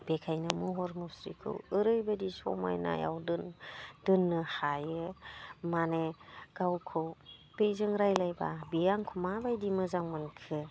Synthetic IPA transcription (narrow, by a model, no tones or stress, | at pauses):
bekʰajnɯmuɦɔɾmɔsɾikʰɯ̰wɯɾɯjbadisɔ̰ma̰jna̰ja̰wdɯnd̥ɯnːɯhajɯmaneɡ̥awkʰɯwbejzɯŋɾajlajbabijaŋkʰumabajdimɯzaŋmɯnkʰɯ